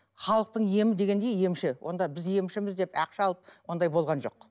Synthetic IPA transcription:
χɑlˠəq̚t̪əɴje̞mɪd̪e̞ɡʲend̪e̞jje̞mʃɪwʔo̞̰nd̪ɑbɪzje̞mʃɪmɪzd̪e̞pæ̰qʃɑlˠəp̚wo̞nd̪ɑjbo̞lˠʁɑnʒo̞̰q

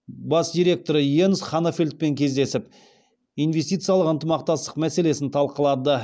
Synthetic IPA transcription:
bɑsd̪ijɾʲe̞k̚t̪o̞ɾəjensχɑnofʲelʲt̪̚pe̞ŋkʲʰe̞zd̪e̞sɪp | ijnve̞st̪ijt̪sɨjɑlˠəqənt̪əmɑq̚t̪ɑst̪əqmæse̞le̞sɪnt̪ʰɑlˠqəlˠɑd̪ə

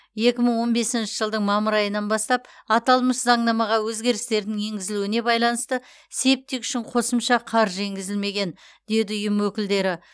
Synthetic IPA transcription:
je̞kʲɪməɴwo̞nbe̞sɪnʃɪʒəlˠd̪əɴmɑməɾɑjənɑnbɑst̪ɑpɑt̪ɑlˠməszɑɴnɑmɑʁɑwɵzɡʲe̞ɾɪst̪e̞ɾd̪ɪŋe̞ŋɡʲɪzɪluɪne̞bɑjlˠɑnəst̪ə | se̞p̚t̪ːekʏ̥ʃɪɴqʰo̞səmʃɑqʰɑɾʒeŋɡʲɪzɪlme̞ɡʲe̞n | d̪e̞d̪ɪʊjəmwɵkʲɪld̪e̞ɾɪ

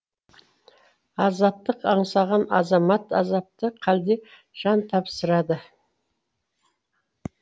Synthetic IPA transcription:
ɑzɑp̚t̪əqɑɴsɑʁɑnɑ̰zɑmɑt̪ɑ̰zɑp̚t̪əqʰɑld̪e̞ | ʒ̥ɑnt̪ʰɑpsəɾɑd̪ə

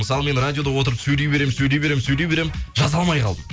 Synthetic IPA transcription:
məsɑlˠəme̞nradʲijo̞d̪ɑwo̞t̪əɾəpsɵjle̞jbe̞ɾemnsɵjle̞jbe̞ɾemɪnsɵjlewbe̞ɾemnʒɑzɑlˠmɑjqʰɑlˠd̪əm

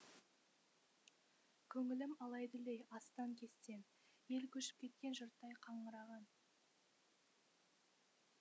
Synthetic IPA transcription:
kʲʰɵŋɪlɪmɑlˠɑjd̪əlejɑst̪ɑŋkʲʰe̞st̪e̞n | je̞lkʲʰɵʃɪ̥p̚kʲʰe̞t̪̚kʲe̞nʒʊɾt̪ːɑjqʰɑɴəɾɑʁɑn

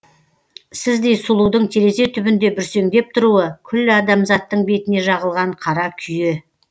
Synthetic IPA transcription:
sɪzd̪e̞jsʊlˠuwd̪əɴt̪ʰe̞ɾe̞ze̞t̪ʰʏbɪnd̪e̞bʏɾse̞ŋd̪e̞p̚t̪ʰʊɾuwəkʲʰʏlːɪɑd̪ɑmzɑt̪ːəɴbe̞t̪ɪne̞ʒɑʁəlˠʁɑɴqʰɑɾɑkʲʰʏje

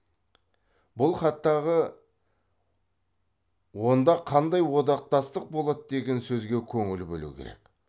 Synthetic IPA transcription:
bʊlˠχɑt̪ːɑʁə | wo̞nd̪ɑqʰɑnd̪ɑjwo̞d̪ɑq̚t̪ɑst̪əq̚bo̞lˠɑt̪əd̪e̞ɡʲe̞nsɵzɡʲe̞kʲʰɵŋɪlbɵ̰lṵkʲʰḛɾe̞̰k

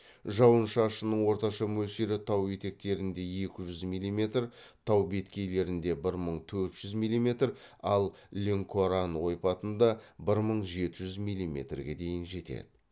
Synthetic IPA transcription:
ʒɑwənʃɑʃənəɴwo̞ɾt̪ɑʃɑmɵlʃeɾɪt̪ʰɑwje̞t̪e̞k̚t̪e̞ɾɪnd̪e̞je̞kʲɪʒʏzmijlʲːˠime̞t̪rt̪ʰɑwbe̞t̪kʲe̞jle̞ɾɪnd̪e̞bɪɾməɴt̪ʰɵɾt̪ʒ̥ʏzmijlʲˠime̞t̪rɑlˠlʲeŋkʰoɾanwo̞jpɑt̪ənd̪ɑbɪɾməɴʒe̞t̪ɪʒʏzmijlʲˠimʲe̞̰t̪rɡʲe̞d̪e̞jɪnʒe̞t̪ḛd̪̥ɪ

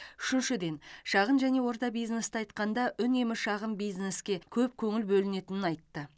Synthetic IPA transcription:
ʏ̥ʃɪnʃɪd̪e̞nʃɑʁənʒæne̞wo̞ɾt̪ɑbijzne̞st̪əɑjt̪qɑnd̪ɑʔʏne̞mɪʃɑʁəmbijzne̞skʲe̞kʲʰɵp̚kʲʰɵŋɪlbɵlɪne̞t̪ɪnɪnɑjt̪ːə

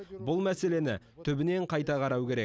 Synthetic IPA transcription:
bʊlˠmæse̞le̞nɪ | t̪ʰʏbɪne̞ɴqʰɑjt̪ɑqʰɑɾɑwkʲe̞ɾe̞k̚

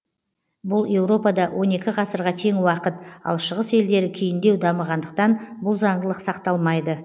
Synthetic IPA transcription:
bʊlˠe̞wɾo̞pɑd̪ɑwʔo̞ne̞kʲɪʁɑsəɾʁɑt̪ʰe̞ŋwɑqət̪̚ɑ̰lˠʃəʁəse̞ld̪e̞ɾɪkʲʰejɪnd̪e̞wd̪ɑməʁɑnd̪əq̚t̪ɑnbʊlˠzɑɴʁəlˠəqsɑqt̪ɑlˠmɑjd̪ə

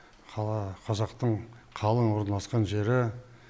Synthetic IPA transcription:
qʰɑzɑqt̪əɴ | qʰɑlˠənwo̞ɾnɑlˠɑsqɑnʒe̞ɾɪ

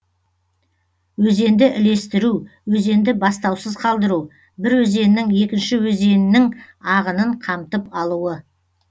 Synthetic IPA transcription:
wɵze̞nd̪ɪʔɪle̞st̪ɪɾuwɵze̞nd̪ɪbɑst̪ɑwsəzqʰɑlˠd̪əɾuw | bɪɾwɵze̞nɪnɪŋje̞kʲɪnʃɪwɵze̞nɪnːɪŋ | ɑʁənəɴqʰɑmt̪əpɑlˠuwə

